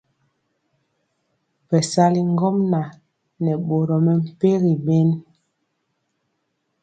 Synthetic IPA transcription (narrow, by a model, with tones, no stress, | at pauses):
pɛ˨sa˦li˨ŋ˦ɡɔ˦mna˨ | nɛ˨ɓo˨ɾɔ˨mɛ˨m̩˨pe˦ɣi˨be˦n